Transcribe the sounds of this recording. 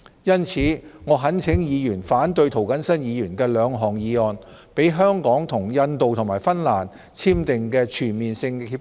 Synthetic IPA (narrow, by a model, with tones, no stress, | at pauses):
jɐ˥nt͡sʰiː˨˥ŋɔː˨˧ɦɐ˨˥nt͡sʰɪ˨˥ŋjiː˨˧jyː˨˩nfaː˨˥nt̪ɵ˧ɥt̪ʰo˨˩wkɐ˨˥nsɐ˥njiː˨˧jyː˨˩nkɛː˧lœː˨˧ŋɦɔː˨˩ŋjiː˨˧ɔː˨n | pe˨˥jɦœː˥ŋkɔː˨˥ŋt̪ʰʊ˨˩ŋjɐ˧nt̪o˨wt̪ʰʊ˨˩ŋmaː˨˩jfɐ˥nlaː˨˩n | t͡sʰiː˥mt̪ɪ˨ŋkɛː˧t͡ʃʰyː˨˩nmiː˨nsɪ˧ŋiː˧